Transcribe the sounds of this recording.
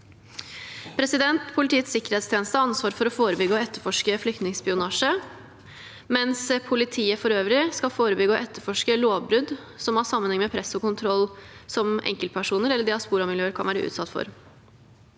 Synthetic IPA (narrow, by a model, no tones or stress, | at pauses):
pʰɾɛsɪd̪ɛnt̪pʰʊlɪt̪ʰiːət̪sɪkːəɾheːt̪st̪ʰeːnəst̪əɑnsʋɑːɾfɔɾɔfoːɾəbʏɡəɔɛt̪ːəɾfɔʂkəflʏk̚t̪nɪŋspɪʊnɑːʂə | mɛnspʰʊlɪt̪ʰiːəfɔɾøːʋɾɪskɑfoːɾəbʏɡəɔʔɛt̪ːəɾfɔʂkəloːʋbɾʉd̪ | sɔmɑsɑmːənhɛŋmɛpʰɾɛsɔkʊnt̪ʰɾɔlsɔmʔɛ̰ŋkəlt̪̚pʰæʂuːnəɾɛlːəɖɛɑspuːɾɑmɪljøːəɾkʰɑ̰nʋæːɾə̰ʔʉ̰ːt̪sɑt̪ːfɔ̰ɾ